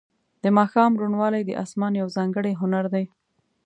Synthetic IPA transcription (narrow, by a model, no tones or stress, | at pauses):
d̪̥əmɑxɑmɾuɳwɑlajd̪ə̰ʔɑ̰smɑnjawzɑŋɡəɽeɦʊnaɾd̪aj